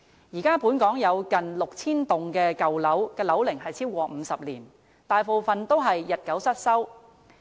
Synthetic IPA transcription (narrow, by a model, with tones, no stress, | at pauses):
jiː˨˩kaː˥puː˨˥nkɔː˨˥ŋjɐ˨˧wkɐ˨nlʊ˨k̚t͡sʰiː˥nt̪ʊ˨ŋkɛː˧kɐ˨wlɐ˨˥wkɛː˧lɐ˨˥wlɪ˨˩ŋɦɐ˨jt͡sʰiː˥wkʷɔː˧m̩ː˨˧sɐ˨p̚liː˨˩n | t̪aː˨jpo˨wfɐ˨nt̪o˥wɦɐ˨jːɐ˨t̚kɐ˨˥wsɐ˥t̚sɐ˥w